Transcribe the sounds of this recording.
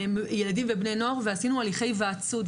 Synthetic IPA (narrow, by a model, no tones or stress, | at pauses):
mje̞ladimvebne̞jnoaʁveasinualiχe̞jveat͡sud